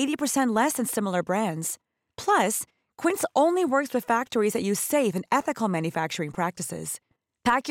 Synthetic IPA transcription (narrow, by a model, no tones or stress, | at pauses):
eɪɾipʰə˞sɛ̃nʔˡlɛsɨ̃nsɪ̃ml̩ˠə˞bɹæ̃ndz̥ | pʰl̥ʌs | kʰw̥ɪ̃ntsʔõʊ̃nliwɜ˞kswɨð̥fæk̚tʰə˞izðɨʔ̚jʉz̥seɪfɨ̃nɛθɨkl̩ˠmæ̃njɨfæk̚t͡ʃə˞ɪ̃ŋpʰɹ̥æk̚tɨsɪ̰z̥ | pʰæk